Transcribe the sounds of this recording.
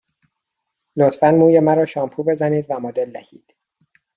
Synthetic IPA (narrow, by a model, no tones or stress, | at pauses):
lot̪fænmuːjemæɾɒːʃɒːmpʰuːbe̞zæniːd̪væmɒːd̪eld̪æ̰hḭːd̪̥